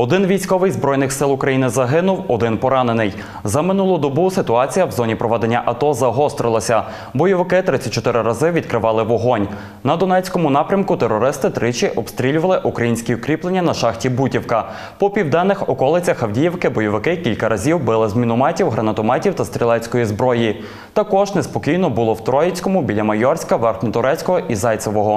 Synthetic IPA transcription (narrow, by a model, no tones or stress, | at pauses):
ɔd̪ɪnʋʲijsʲkɔʋɪjzbɾɔjnɪxsɪlˠʊkɾɐjinɪzɐɦɪnʊwɔd̪ɪnpɔɾɑnenɪj | zɐmɪnulˠɔd̪ɔbusɪt̪ʊɑt͡sʲijɐwzɔnʲipɾɔʋɛd̪enʲːɐʔɐt̪ɔzɐɦɔst̪ɾɪlˠɐsʲɐ | bɔjɔʋɪkɪt̪ɾɪt͡sʲːɐt̚ʲt͡ʃɔt̪ɪɾɪɾɐzɪʋʲid̪̚kɾɪʋɑlˠɪʋɔɦɔnʲ | nɐd̪ɔnɛt͡sʲkɔmʊn̪ɑpɾʲɐmkʊt̪eɾːɔɾɪst̪ɪt̪ɾɪt͡ʃʲiʔɔbst̪ɾʲilʲʊʋɐlˠɪʔukɾɐjinʲsʲkʲiʊkɾʲiplˠenʲːɐnɐʃɑxtʲibutʲiwkɐ | pɔpʲiwd̪ɛnːɪxɔkɔlˠɪt͡sʲɐxɐwdʲijɛwkɪbɔjɔʋɪkɪkʲilʲkɐɾʔɐzʲiwbɪlˠɪzmʲinʊmɑtʲiwɦɾɐnɐt̪ɔmɑtʲiwt̪ɐst̪ɾʲilˠɛsʲkɔjizbɾɔji | t̪ɐkɔʒnespɔkʲijnɔbʊlˠɔwt̪ɾɔjet͡sʲkɔmʊbʲilʲɐmɐjɔrsʲkɐʋɛrxnʲɔt̪ʊɾɛt͡sʲkɔɦɔʔizɑjt̪sɔʋɔɦɔ